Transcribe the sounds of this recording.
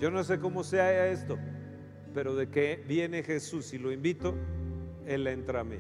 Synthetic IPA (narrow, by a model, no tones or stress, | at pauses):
o̞no̞s̬e̞ko̞mo̞seaae̞st̪o̞ | pe̞ɾo̞ðe̞kebje̞ne̞xe̞susilo̞imbit̪o̞ | elent̪ɾamḛ